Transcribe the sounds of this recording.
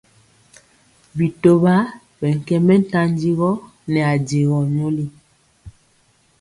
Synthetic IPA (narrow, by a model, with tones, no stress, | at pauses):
bi˨to˦ba˦ | bɛ˨ŋ̩˨kɛ˦mɛ˦n̩˦ta˦n˦di˦ɣɔ˦ | nɛ˨a˨de˨ɣɔ˨ɲo˦li˦